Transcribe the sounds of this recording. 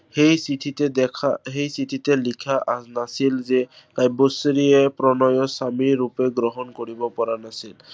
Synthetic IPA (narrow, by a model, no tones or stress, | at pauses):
hejsitʰitedɛaɦejsitʰitelikʰaʔasnasilze | kajbosɾiepɾɔnɔjɔsamiɾupeɡɾɔɦɔnkoɹibɔpɔɹanasil